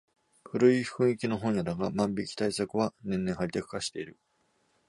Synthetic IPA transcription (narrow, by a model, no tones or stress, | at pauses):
ɸɯ̟ɾɯ̟i̥kɯ̟̃ɰ̃ikʲino̞ɦõɰ̃jad̪aɡamãmbʲikʲi̥t̪aisakɯ̟βanẽ̞nːẽɰ̃haɾʲit̪akɯ̟̥kaɕi̥t̪e̞iɾɯ̟